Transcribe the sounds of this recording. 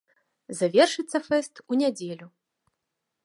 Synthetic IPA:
zavʲɛrʂɨt̪sːɐfɛst̪unʲad͡zʲelʲu

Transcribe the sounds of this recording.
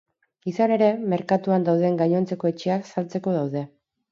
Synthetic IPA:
isane̞ɾe̞me̞ɾkat̪uand̪awðe̞ŋɡaɲo̞nt͡se̞ko̞e̞t͡ʃe̞aksalt͡se̞ko̞ðawðe̞

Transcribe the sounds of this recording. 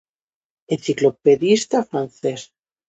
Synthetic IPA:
en̟θiklopeðist̪afɾanθes

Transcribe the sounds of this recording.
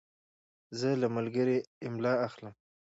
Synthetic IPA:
zəlamalɡəɾeɪmlɑaxləm

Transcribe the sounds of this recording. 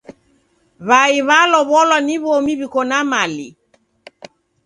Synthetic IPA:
βaiβalɔβɔlɔniβɔmiβikɔnamalḭ

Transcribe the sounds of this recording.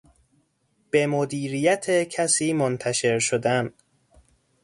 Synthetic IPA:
b̥e̞mod̪iːɾijæt̪ʰecʰæsiːmont̪ʰæʃe̞ɾʃod̪æn

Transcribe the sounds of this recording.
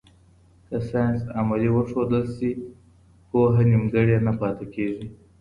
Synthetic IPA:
kasɑjnsamaliwəʂod̪əlsi | poɦanimɡəɽjenapɑt̪ekeʐi

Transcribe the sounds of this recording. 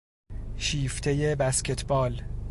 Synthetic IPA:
ʃiːft̪ʰejebæscʰe̞t̪ʰbɒːl

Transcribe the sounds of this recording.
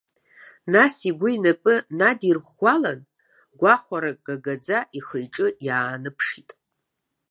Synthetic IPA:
nasiɡʷʊinapʼɨnadirχʷalan | ɡʷaχʷaɾakʼɡ̥aɡad͡zaʔiχəjʈ͡ʂʼɨjaːnɨpʰʂitʼ

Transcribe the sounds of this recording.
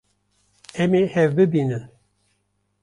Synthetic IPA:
ɛmehɛvbɨbiːnɨn

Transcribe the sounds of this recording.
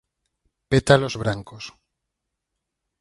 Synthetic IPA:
pet̪alozβɾaŋkos

